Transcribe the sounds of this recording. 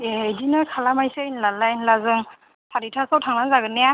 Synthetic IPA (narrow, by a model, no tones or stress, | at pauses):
ejdinɯkʰalamajsɯinlalajnlazɯŋ | tʰaɾitʰasawtʰaŋnanzaɡɯnija